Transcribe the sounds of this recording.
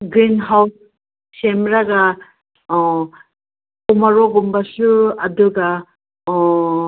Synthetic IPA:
ɡɾinɦawt̚ | semɾaɡa | ɔ | kɔmaɾɔɡumbasuadɯɡa | ɔ

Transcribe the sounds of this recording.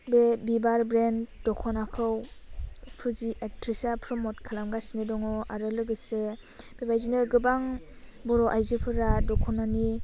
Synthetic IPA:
bebibaɾbɾendɔkʰɔnakʰɯw | pʰɯziʔek̚tʰɾisapʰɾɔmɔtkʰalamɡasinɯdɔŋɔaɾɯlɯɡɯsɯ | b̥ebajzinɯɡɯbaŋ | bɔɾɔʔajzɯpʰɯɾadɔkʰɔnani

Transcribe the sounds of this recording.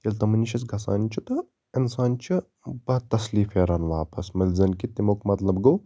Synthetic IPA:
t̪ɐlt̪ɐmɐniʃɐsɡʱɐsa̰ːnt͡ʃʰut̪ɐ | ɪnsaːnt͡ʃʰi | bɐɦɐt̪ːɐsliːfeːɾaːnʋaːpɐsmɐlʲzɐnkit̪imokmɐt̪lɐbɡɐw

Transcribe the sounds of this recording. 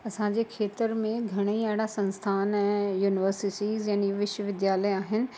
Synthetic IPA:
ɐsãɲd͡ʑeːkʰeːt̪əɾmẽɡʱɐɽ̃eiaːɽasɐ̃nst̪ʰaːnɛ̃ːjuːnɪʋəɾsɪʈiːzjaːniʋɪʃwəʋɪd̪jaːləaːɦɪnɪ̆

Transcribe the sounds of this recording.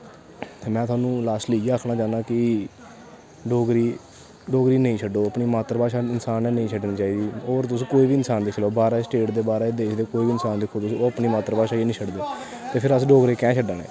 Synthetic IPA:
mɛ̃ːt̪ʰʊaːnũːlaːsʈliːɡeːaːkʰnaːd͡ʒãːnaːkɪ | ɖoːɡɾiː | ɖoːɡɾiːnəĩːt͡ʃʰəɖoːəpniːmaːt̪əɾpaːʃaːɪnsaːnɛːnəĩːt͡ʃʰəɖniːt͡ʃaːiːd̪iːoːɾt̪ʊsĩːkoːiːbiːɪnsaːnd̪ekʰloːbaːɾasʈeːʈd̪eːbaːɾed̪eːkʰd̪eːkoːiːbiːɪnsaːnd̪ɪkʰːoːt̪ʊsĩːoːəpniːmaːt̪əɾpaːʃaːeːnĩːt͡ʃʰəɖd̪eː | t̪eːpʰɪɾəsɖoːɡɾeːkɛ̃ːt͡ʃʰəɖaːnḛː

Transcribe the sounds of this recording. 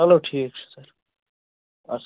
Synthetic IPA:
ɐloːʈʰiːkt͡ʃʰu̥səɾ | ɐ̰s

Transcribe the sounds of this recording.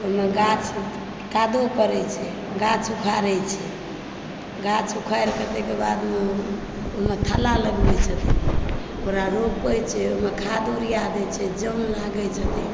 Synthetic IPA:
omeɡat͡ʃʰ | kad̪okəɾɛt͡ʃʰɛ | ɡat͡ʃʰukʰaɾɛt͡ʃʰɛ | ɡat͡ʃʰukʰajɾkət̪ekebad̪me | oɦmet̪ʰəlaləɡbɛt͡ʃʰət̪ɛ | oɾaɾopəjt͡ʃʰɛomekʰad̪oɾijad̪ɛt͡ʃʰɛd͡ʒənlaɡɛt͡ʃʰət̪ɛ

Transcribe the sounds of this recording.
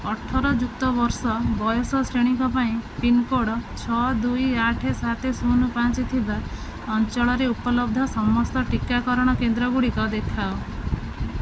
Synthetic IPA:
ɔʈʰɔɾɔd͡ʒuk̚t̪ɔbɔɾsɔbɔjɔsɔsɾeɽ̃iŋkɔpaĩpinkoɽɔt͡ʃʰɔd̪ujaʈʰesat̪ʰesunupat͡ʃit̪ʰiba | ɔnt͡ʃɔɭɔɾeupɔlɔbd̪ʱɔsɔmɔst̪ɔʈikakɔɾɔɽ̃ɔkend̪ɾɔɡuɽikɔd̪ekʰao

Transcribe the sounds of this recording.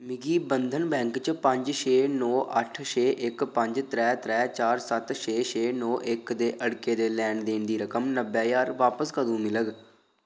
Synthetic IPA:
mɪɡiːbənd̪ʱənbɛ̃ːŋkt͡ʃpə̃ɲd͡ʒʃʰeːnɔːʔəʈʰʃʰeːʔɪkpəɲd͡ʒt̪ɾɛːt̪ɾɛːt͡ʃaːɾsət̪ʃʰeːt͡ʃeːnɔːʔɪkd̪eːʔəɽkeːd̪eːlɛːɳɖd̪eːnd̪iːɾəkəmnəbɛːjaːɾʋaːpəskəd̪ũːmɪləɡ

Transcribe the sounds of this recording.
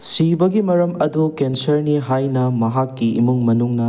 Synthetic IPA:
sibɐɡimɐɾɐmɐdukensɐɾniɦajnɐmɐɦakːiḭmuŋmɐnuŋnɐ

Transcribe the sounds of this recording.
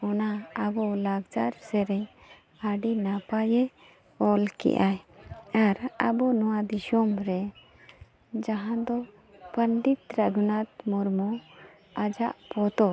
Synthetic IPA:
ɔnaəbɔlaɡd͡ʒaɾsɛɾɛ | aɖinapajɛ | ɔlkḭʔajaɾə̰bɔnɔwad̪iʃɔmɾɛ | d͡ʒaɦãd̪ɔ | pəɳɖit̪ɾəɡunat̪muɾmɔ | ad͡ʒaʔpɔt̪ɔ

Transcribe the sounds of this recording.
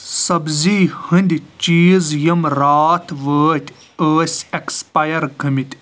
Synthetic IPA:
sɐbziːhɨnd̪ʲit͡ʃiːzjɐmɾaːt̪ʰʋəːt̪ʲ | əːsʲekspɐjɐɾɡʱɐmit̪ʲ

